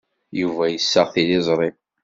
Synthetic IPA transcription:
juvæjəsːəʁθilɪzˤɾˤi

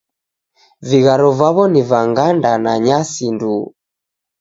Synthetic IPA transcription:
viɣaɾɔvaβɔnivaŋɡandanaɲasindu

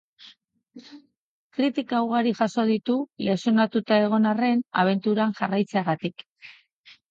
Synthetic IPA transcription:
kɾit̪ikaːwɣaɾiʝaso̞ð̞it̪ulesonat̪ut̪ae̞ɣ̞o̞nare̞na̰β̞e̞nt̪uɾaŋʝarajt͡seaɣat̪ik

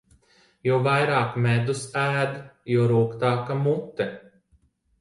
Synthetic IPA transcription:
juvajɾaːkmɛd̪usæːd̪juɾuːkt̪aːkamut̪ːɛ

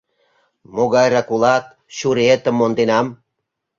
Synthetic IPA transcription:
moɣɑjrɑkulɑt̪̚ | ɕuɾet̪ə̆mːond̪enɑm

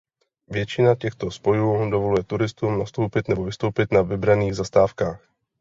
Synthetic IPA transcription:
vjɛt͡ʃɪnacɛxt̪o̞spo̞juːdovo̞lujɛt̪uɾɪst̪uːmnast̪owpɪt̪nɛbovɪst̪owpɪt̪navɪbɾaniːɣzast̪aːfkaːx

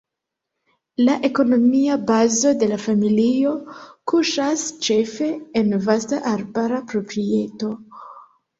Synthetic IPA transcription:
laʔe̞ko̞no̞miabazo̞de̞lafamilio̞kuʃast͡ʃe̞fe̞ːnvastaʔaɾbaɾapɾo̞pɾie̞to̞

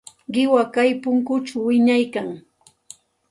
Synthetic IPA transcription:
ɢɪwakajpʊŋkʊt͡ʃawːɪɲajkaŋ

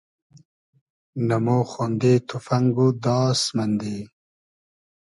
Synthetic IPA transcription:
namoxond̪et̪ʰufaŋɡud̪ɑːsmand̪e

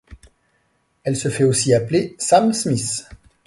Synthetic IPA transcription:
ɛlsəfɛosiaplesamsmis

